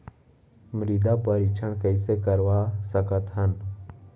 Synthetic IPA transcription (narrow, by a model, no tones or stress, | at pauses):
mɾid̪apəɾit͡ʃʰəɳkəisekəɾʋasəkət̪ɦən